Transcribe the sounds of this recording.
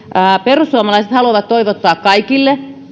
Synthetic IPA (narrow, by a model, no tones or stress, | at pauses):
perusːuomɑlɑiset̪hɑluɑʋɑt̪toiʋot̪ːɑːkkɑikilːe